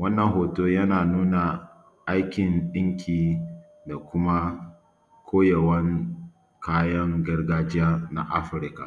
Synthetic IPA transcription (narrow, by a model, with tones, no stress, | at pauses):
wɐ˦nːɐ˨ŋɦoː˨toː˦jɐ˦naː˨nuː˦na˨ | ʔa˦jkʲɪ˨nɗɪ˦ŋkʲʰiː˨ | da˨kʷʊ˦ma˦ | kʰʷoː˦jɐ˨wɐ˦ŋ | kʰaː˦jɐ˦ŋɡɐ˦rɡaː˦d͡ʒɪ˦ja˦na̰˦ʔa̰˦ɸɪ˨ɾka̰˨